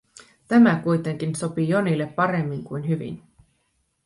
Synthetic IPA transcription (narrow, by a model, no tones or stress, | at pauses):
t̪æmækujt̪e̞ŋk̟inso̞pijo̞nilːe̞pːɑɾe̞mːiŋkujnɦyʋḭn